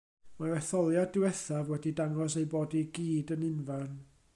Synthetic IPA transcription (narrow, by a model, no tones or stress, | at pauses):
mawɛθɔlˠjadɪwɛθavwɛdidaŋɔs̬ejboːdiɡiːdənɪnvan